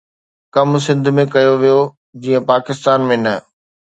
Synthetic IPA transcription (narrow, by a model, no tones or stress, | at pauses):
kɐms̬ɪ̃nd̪ʱʊmẽkɐjoʋijo | d͡ʑiːə̃paːkɪst̪aːnmẽnɐ